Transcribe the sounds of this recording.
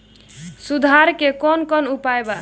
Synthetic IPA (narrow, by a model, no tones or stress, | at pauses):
sud̪ʱaɾkekɔnkɔnupaeba